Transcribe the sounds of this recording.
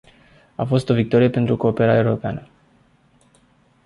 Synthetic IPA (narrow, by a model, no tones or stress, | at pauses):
afo̞st̪o̞vik̚t̪o̞ɾije̞pe̞nt̪ɾuko̞ːpe̞ɾaeuɾo̞pea̰nə